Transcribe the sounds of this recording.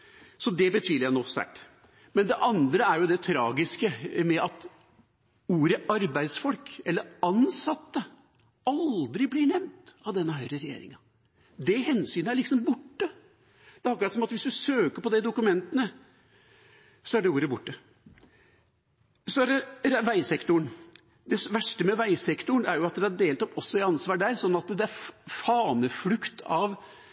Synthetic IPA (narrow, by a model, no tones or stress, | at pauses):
sɔd̪ɛbət̪ʰyːləɾjænoːst̪æ̰ʈː | mɛnd̪ɛʔɑnd̪ɾəæɾjʊd̪ɛt̪ʰɾɑːɡɪskəmɛʔɑt̪ | uːɾəʔɑɾbæɪd̪sfɔlkɛlːəɾɑnsɑt̪ːə | ɑld̪ɾɪblɪɳɛmnt̪ɑʋd̪ɛnːəɦœʏɾəɾɛjḛːɾɪ̰ŋɑ | d̪ɛɦɛnsyːnəæɭɪksɔmbʊʈːə | d̪̥ɛhɑkːsɔmɑt̪ʋɪsd̪ʉsøːkəɾpɔd̪ɛd̪ʊkʉmɛnt̪ənə | sɔæɖɛuːɾəbʊʈːə | sɔæɾɾʋæɪsɛkt̪ʊɳ | d̪ɛʋæʂʈəmɛʋæɪsɛkt̪ʊɳæɾjʊɑt̪̚d̪ɛæɖeːlt̪ɔpːɔsːɔɪɑnsʋɑːɖæɾsɔnːɑt̪d̪ɛæɾfɑːnəflʉkt̪ʰɑʋ